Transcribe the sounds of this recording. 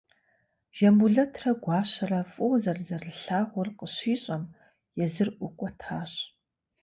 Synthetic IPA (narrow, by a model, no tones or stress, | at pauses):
ʒ̥ɐmbuɮɐtʰrɐɡʷɑːɕɐrɐfʼʊwzɐrzɐrɨɬaːʁʷʊrqəɕiːɕʼɐm | jɛzɨrʔʷʊkʷʼɔtʰaːɕ